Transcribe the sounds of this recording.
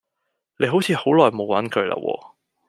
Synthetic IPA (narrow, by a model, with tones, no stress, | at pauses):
le˨˧jɦo˨˥wt͡sʰiː˨˧ho˨˥wlɔː˨˩jmo˨˧wwɐ˨˥nkʰɵ˨˧ɥla̰ː˧wʔɔ̰ː˧